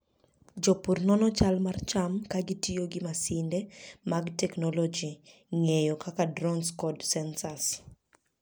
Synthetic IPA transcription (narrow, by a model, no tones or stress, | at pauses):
d͡ʒɔpurnɔnɔt͡ʃalmart͡ʃamkaɡɪtijoɡɪmasɪndɛmaɡtɛknɔlod͡ʒi | ŋejɔkakadɾɔnskɔdsɛnsas